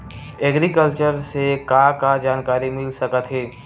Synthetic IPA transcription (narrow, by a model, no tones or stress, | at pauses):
ɛːɡɾikəlt͡ʃəɾsekakad͡ʒaːnkaːɾimɪlsɐkət̪ɦeː